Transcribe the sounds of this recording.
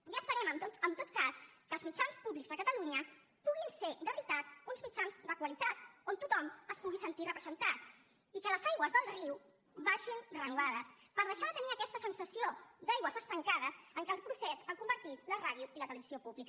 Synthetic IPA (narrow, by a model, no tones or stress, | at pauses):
ʒaːspəɾɛməmt̪ot̪əmt̪ot̪kaskəːlˠzmit͡ʃanspuβlikzðəkət̪əluɲə | puɣinsed̪əβəɾit̪at̪unzmit͡ʃanzd̪əkwəlit̪at̪ont̪ut̪ɔməspuɣisənt̪irəpɾəzənt̪at̪ | ikələzajɣwəzðəlˠriw | baʒinrənuβaðəspəɾðəʃaðət̪əniəkɛst̪əsənsəsiod̪ajɣwəzəst̪əŋkaðəsəŋkɛlˠpɾusezəŋkumbəɾt̪it̪ləraðjuilət̪ələβiziopuβlikə